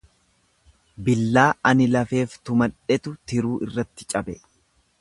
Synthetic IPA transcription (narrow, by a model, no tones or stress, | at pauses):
bɪlːaːɐnɪlɐfe̞ːft̪ʊmɐᶑɛt̪ʊt̪ɪɾuːʔɪrːɐt̪ːɪ̥t͡ʃʼɐbɛ